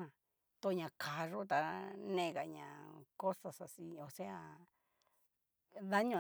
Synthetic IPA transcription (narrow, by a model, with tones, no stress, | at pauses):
ã˧˨ | t̪o˧˨ɲã˨kʰa˨ʐo˦t̪a˧nẽ˧˨˧ɣa˨ɲã̰˨ko˦sa˧sa˧si˧o˨se˦a˧ | ða˦ɲõ˧